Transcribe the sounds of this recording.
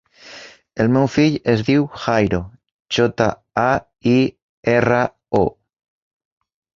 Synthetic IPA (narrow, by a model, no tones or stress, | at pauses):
elmewfiʎezðiwxajɾo | t͡ʃot̪a | a | i | era | o